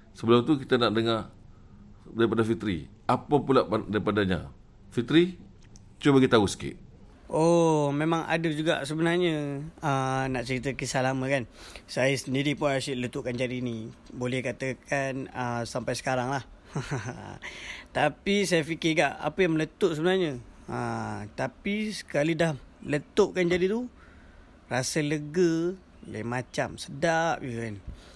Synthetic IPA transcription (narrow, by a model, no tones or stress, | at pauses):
səbəlʊmt̪ukit̪anaʔdəŋa | daɾipadafit̪ɾḭ | apapulaʔadaɾipadaɲa̰ | fit̪ɾi | t͡ʃobaɡit̪ausə̥kɪ̰ʔ̚ | omemaŋa̰dəd͡ʒuɡa̰ʔsəbənarɲəənaʔt͡ʃəɾit̪əkisahlaməkansajəsəndiɾipʊnaasiʔlət̪uʔkand͡ʒadinibolɛhkat̪əkʰanəsampajsə̥kaɾaŋlah | t̪apisajafikɪɡaʔa̰pəjaŋmələt̪oʔs̬əbənarɲəət̪apisə̥kalidahələt̪oʔkand͡ʒadit̪u | rasələɡə | la̰mat͡ʃamsədaʔjəkan